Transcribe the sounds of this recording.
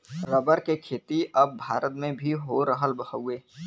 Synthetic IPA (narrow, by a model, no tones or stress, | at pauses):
ɾəbəɾkekʰeːt̪iɐbːʱaːɾət̪mẽbʱiɦoɾəɦəlbəɦəʊeː